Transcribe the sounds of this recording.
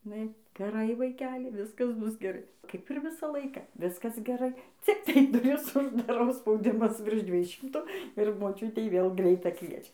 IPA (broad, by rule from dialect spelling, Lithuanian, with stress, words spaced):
ɪˈnɐɪ ɡʲɛˈrɐɪ ʋɐɪˈkʲæːlʲɪ ˈʋʲɪskɐs ˈbʊs ɡʲɛˈrɐɪ ˈkɐɪp ɪr ˈʋʲɪsɑː ˈlˠɐɪkɑː ˈʋʲɪskɐs ɡʲɛˈrɐɪ ˈt͡sʲɪktɐɪ dʊˈrʲɪs ʊʒdɐˈrɐʊ spɐʊˈdʲɪmɐs ʋʲɪrʃ ˈdʲʋʲiɛj ˈʃʲɪmtʊ ɪr moːˈt͡ʃʲʊtʲɛɪ ʋʲeːlˠ ˈɡrʲɛɪtɑː ˈkʋʲiɛt͡ʃʲɛ